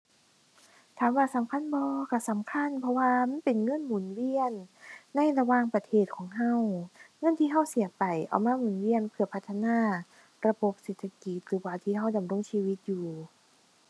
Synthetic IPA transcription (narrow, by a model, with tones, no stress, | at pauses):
t̪ʰaː˨˦mwaː˧˩sa˨˦mkʰa˧˥˨nbɔː˧ka˧˩sa˨˦mkʰa˧˥˨npʰɔ˧waː˧ma˧˥˨npe˨˩nŋɤ˧˥˨nmuː˨˩nwi˧˨ənːa˧˥˨jɾa˧waː˧˨ŋpa˧t̪ʰeː˧˩t̪̚kʰɔː˨˦ŋɦa˧˥˨wŋɤ˧˥˨nt̪ʰiː˧˨ɦa˧˩˨wsi˨˦ɐpa˨˩jʔa̰˨˩wmaː˧˥˨muː˨˩nwi˧˥˨ənpʰɯ˧˩ɐpʰa˧t̪ʰːa˧naː˧˥˩ | ɾa˧bo˧˦p̚seː˨˧˩t̪ʰːa˧ki˧˦t̪̚ɾɯː˨˦waː˧˩t̪ʰiː˧˩ɦa˧˥˩wda˨mɾo˧˥˨ŋsiː˧wi˧˦˥t̪̚juː˨˩